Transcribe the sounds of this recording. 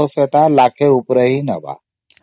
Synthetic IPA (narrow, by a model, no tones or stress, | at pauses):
oseʈ̪alakʰeupɾəɦinəʋa̰